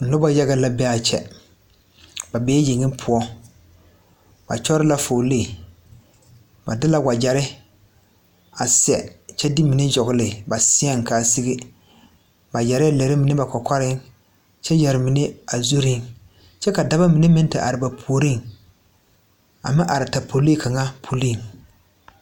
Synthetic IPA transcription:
n̩˨lʊ˦ba˦ja˦ɡa˦la˦bɛ˦a˨t͡ʃɛ̰˦ | ba˨bɛː˦ji˨ŋɪ˦pʰʊ˦ɔ˦ | b̥a̰˨t͡ʃɔ˦ɾɪ˦la˦fo˨leː˦˨ | ba˨dɪ˦la˦wa˨d͡ʒa˨ɾɪ˦ | a˨sɪ˦ɛ˨t͡ʃɛ˦dɪ˦mi˨nɪ˦d͡ʒɔ˨ɡʊ˦lɪ˨ba˨sɪ˦ɛ˦ŋ˨ka˨si˦ɡɪ˦ | ba˨d͡ʒa˨ɾɪ˦a˨le˨ɾɪ˦mɪ˨nɪ˦ba˨kɔ˨kʷa˦ɾɪ˦ŋ | t͡ʃɛ˦d͡ʒɛ˨ɾɪ˨mɪ˨ne˦a˨zu˦ɾi˦ŋ | t͡ʃɛ˦ka˨da˦ba˦mi˨nɪ˦mɪ˦n˦tɪ˨ʔa̰˨ɾɪ˨ba˨pʰo˨o˨ɾi˦˨ŋ | a̰˨mɪ˦ʔa˨ɾɪ˨ta˨pʰo˨li˦kʰa˨ŋa˦pʰo˨li˦˨ŋ

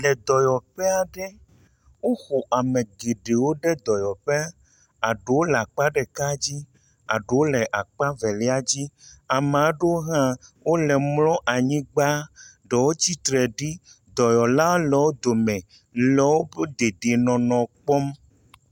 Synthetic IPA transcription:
lɛ˨d̪ɔ˨jɔ˨ɸɛ˦a˨ɖɛ˦ | wo˦xo˨ʔa˨mẽ˨ɡe˨ɖe˨wo˦ɖɛ˦d̪ɔ˨jɔ˨ɸe˦a˦ | a˨ɖe˨wo˦la˨k͡pa˦ɖɛ˨ka˦d͡ʑi˦ | a˨ɖe˨wo˦lɛ˨ʔa˨k͡pa˦vɛ˨li˦a˦d͡ʑi˦a˨m˨ã˨˦ɖe˦wo˦ɦã˦wʔo˦lɛ˨mlɔ̃˦ʔa˨ɲĩ˦ɡ͡ba˦ɖɛ˨wo˦t͡ɕi˦t̪ɾɛ˨ɖi˦ | d̪ɔ˨jɔ˨la˦lɛ˨wo˦d̪o˨mɛ̃˨ | lɛ˨wo˦be˦d̪e˨ɖe˨nɔ̃˨nɔ̃˨k͡pɔ˦m

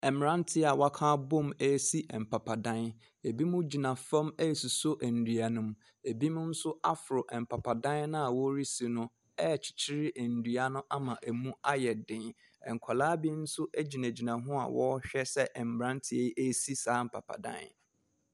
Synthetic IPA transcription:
ɛ˨m˨ɾã˦n˦tʰɪ˦a˨wa˦kʰãː˦bõ˦mæ˦si˦ʔɛ˨m̩˨pʰa˨pʰa˨dã˦n | e˨bi˦mʊ̃˦d͡ʑi˨nã˨fa˦me˦˨su˨so˦ʔæ˨n̩˨dɥa˨nʊ̃˦m | e˨bi˦mʊ̃˦n̩˦sʊ˦a˦fʊ˨ɾʊ˨ʔɛ˨m̩˨pʰa˨pʰa˨dã˦nnã˦a˨wɔ˦ɾi˦si˨nʊ̃˦ | ɛ˦˨t͡ɕʰi̥˨t͡ɕʰi˦ɾɪ˦ʔæ˨n̩˨dɥa˦nʊ̃˦ʔa˦mã˨ʔæ˨mũ˦a˦jɛ˨dɪ̃˨n | ɛ˨ŋ˨kʷʰa˨laː˦bi˦n̩˦sʊ˦ʔæ˦d͡ʑi˨nã˨d͡ʑi˨nã˨ɦʊ̃˦a̰˨wɔ˦ɕᶣɛ˦sɛ˦ʔɛ˨m̩˨ɾã˦n˦tʰɪ˨e˦ʔæ˦si˦saː˨˦m̩˨pʰa̰˨pʰa̰˨dã̰˦n

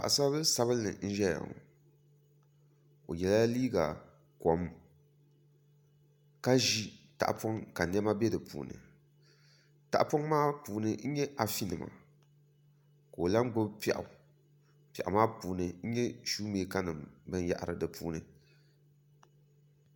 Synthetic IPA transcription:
pa̰˨ʔa˨sa˦bɨ˦sa˦βɨ˦lnɨ̰˨n̩˦ʒɛ˦ja̰˨ŋ˨ | o˨jɛ˨la˦liː˦ɡa˨ | kɔ˨m | ka˦ʒi˦ta̰˨ʔpɔ˦ŋka˨n˦ɛ˦ma˦bɛ˦dɨ˨pṵː˨nɨ̰˨ | ta̰˨ʔpo˦ŋmaː˦puː˨nɨ˦n̩˦ɲɛ˦ʔa˨fi˦nɨ˨ma̰˨ | ka˨o˨la˦ŋ˦ɡ͡bʊ˦bpɛ˨ʔa̰˨ | pɛ̰˨ʔa˨maː˦puː˨nɨ˨n̩˦ɲɛ˦ʃuː˦meː˨˦ka˦nɨ˨mbɨ˦n˦ja̰˦˨ʔɾɨ˨dɨ˨pʰṵː˦nɨ˨

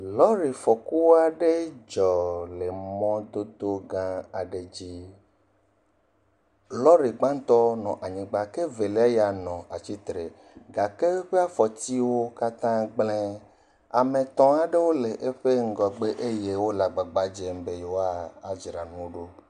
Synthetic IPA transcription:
lɔ˦ɾi˨fɔ˨ku˦wa˦ɖe˦d͡ʒɔ˨le˨mɔ̃˦d̪o˦d̪o˦ɡã˦a˨ɖe˨d͡ʑi˦ | lɔ˦ɾe˨ɡ͡bã˦n˦t̪ɔ˦nɔ̃˨ʔa˨ɲĩ˨ɡ͡ba˨ke˦ve˨le˦a˦ja˨nɔ̃˨a˨t͡ɕi˦t̪ɾe˨ | ɡa˨ke˦ɸe˦a˦fɔ˨t̪i˦wo˦ka˦t̪ã˦ɡ͡blɛ̃˦ | a̰˨mẽ˨t̪ɔ̃˦a˨ɖe˦wo˦le˨ʔe˦ɸe˦ŋ̩˦ɡɔ˨ɡ͡be˦ʔe˦je˦wo˦la˨ɡ͡ba˨ɡ͡ba˨d͡ʒe˨m˦be˨jo˨wa˦a˨d͡ʒɾa˨nũ˦o˦ɖo˦

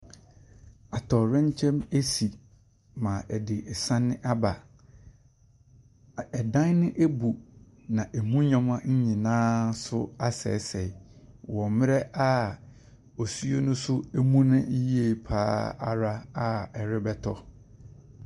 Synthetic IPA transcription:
a˨tʰɔ˨ɾɛ̃˦ɲ˦t͡ɕʰɛ̃˦me˦si˨ | mã˨ʔɛ˨dɪ˨ɛ˨sã˦nːɪ̃˦ʔa˦ba˨ | ɛ˨dã˦nnɪ̃˦ʔe˦bu˨ | nã˨ʔe˨mũ˦ɲã˦mã˦ɲ̩˦ɲĩ˨nãː˦sʊ˦a˦sɛ̰˨˦sɛ˨wɔ˨mɪ̃˦ɾɛ˦a˦ | ɔ˨su˦o˦nʊ̃˦sʊ˦e˦mũ˦nã˦ji˦e˨pʰaː˦a˨ɾa˦a˦ɛ˨ɾɪ˦bɛ˦tʰɔ˦

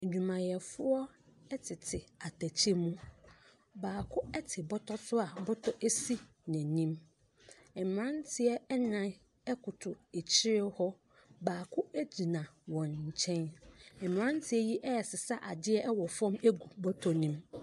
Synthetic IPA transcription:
ɲᶣũ˨mã˨jɛ˨fʊ˦ɔ˦ | ɛ˦tʰɪ˨tʰɪ˨a˨tʰæ˨t͡ɕʰi˦mũ˦ | baː˨kʰʊ˦ɛ˦tʰɪ˨bɔ˦tʰɔ˦sʊ˦a˨bɔ˦tʰɔ˦ʔe˦si˦ | nɛ̃˨nĩ˦m | ɛ˨m˨ɾã˦ntʰɪ˦ɛ˦ɛ˦nã˨ | ɛ˦kʰʊ˨tʰʊ˨e˨t͡ɕʰɪ˦ɾɪ˦hɔ˦ | baː˨kʰʊ˦æ˦d͡ʑi˨nã˨wɔ̃˨nɲ̩˨t͡ɕʰɛ̃˦nɛ˨m˨ɾã˦n˦tʰɪ˦ɛ˦ji˦ʔɛ˦ɛ˨sɪ˨sa˦ʔa˨dɪ˦ɛ˦ʔɛ˦wɔ˨fɔ̃˦me˦ɡu˨bɔ˦tʰɔ˨nĩ˦m

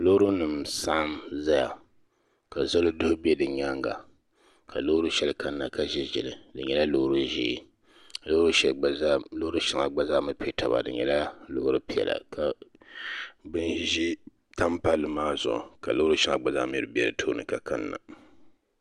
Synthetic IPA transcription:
lo˦ɾu˦nɨ˨msa˦ʔmza˦ja̰˨ | ka˨za˦lo˦dʊ˦hʊ˦bɛ˦dɨ˨ɲa˦ŋɡa̰˨ | kʰa˨lo˦ɾɨ˦ʃɛ˦lɨ˦ka˦nːa˨ka˦ʒɛ˦ʒɛ˨lɨ˨dɨ˨ɲɛ˦la˦lo˦hɾu˦ʒḭː˦˨ | a˨lo˦ɾu˦ʃɛ˦˨˦lo˦ʊ˦ɾɨ˦ʃi˦ŋa˨ɡ͡ba˦za˦mɨ˦pɛ˦tʰa˨ba̰˨dɨ̰˨ɲɛ̰˨la˦lo˦hɾɨ˦pi˨ɛ̰˨la̰˨kʰa˨ | bɨ˦nʒi˦ | ta˦mpa˦lːɨ˨maː˦zʊ̰˨ʔʊ̰˨ka̰˨lo˦ɾu˦ʃi˦ŋa̰˨ɡ͡ba˨za̰˦m˦ḭ˦˨ɾɨ˦bi˦ɛ˦ɾɨ˨tʰo˦nɨ̰˨ka˨ka̰˦nːa̰˨

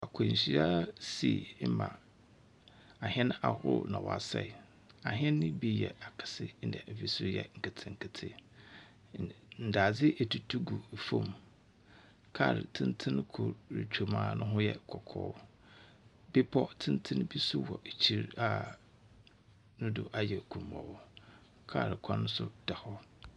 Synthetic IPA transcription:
a˨kʰo˨ɲ˨ɕi˨˦a˦si˨˦mã̰˨ | a˨hɛ̃˦n˦a˨hʊ̰˦nã˨wɔ̰˨a˨sɛ̰˨ | a˨ɦɛ̃˦nːɪ̃˦bi˦jɛ̰˨a˨kʰḁ˨sɪ˦n̩˦dɛ̰˨ʔɛ˨fi˦sʊ˦jɛ̰˨ŋ̩˨kʰa˨tʰɪ̃˨ŋ̩˨kʰɪ˨tʰɪ̰˦ | n̩˨da˨d͡zɪ˦ʔɛ˨tʰu˨tʰu˦ɡu˨fõ˦˨m | kʰa˦˨ɾɪ̰˨tʰɪ̃˦n˦tʰɪ̃˦n˦kʰʊ˨ɾɾḭ˨t͡ɕᶣo˨mã̰ː˦nʊ̃˦ɦʊ̃˦jɛ˦kʰɔ˨kʰɔ̰ː˦ | bi˦pʰɔ˦tʰɪ̃˦n˦tʰɪ̃˦n˦bi˦sʊ˦wɔ˨ʔt͡ɕʰi˦ɾa˦ | nʊ̃˦dʊ˨ʔa˦jɛ˨kʰũ˨mːɔ̰̃˨w | kʰa̰˦˨ɾɪ˨kʷʰã˦nʊ̃˦sʊ˦d̥a˨hɔ˦

